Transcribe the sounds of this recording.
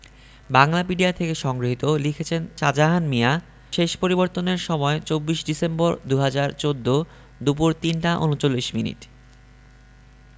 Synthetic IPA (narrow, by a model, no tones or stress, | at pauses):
baŋlapiɖiat̪ʰekeʃɔŋɡɾoɦit̪olikʰet͡ɕʰent͡ɕad͡ʑaɦanmia | ʃeʃpoɾiboɾt̪oneɾʃɔmɔet͡ɕobːiʃɖisemboɾd̪uɦad͡ʑaɾt͡ɕod̪ːo | d̪upuɾt̪inʈaʔonut͡ɕolːiʃminḭʈ